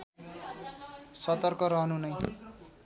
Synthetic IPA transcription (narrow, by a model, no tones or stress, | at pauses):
sʌt̪ʌrkʌɾʌɦʌnunʌj